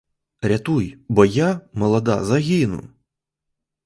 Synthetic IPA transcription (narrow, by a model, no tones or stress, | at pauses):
rʲat̪ujbɔjamɐlˠɐd̪a̰zaɣʲinṵ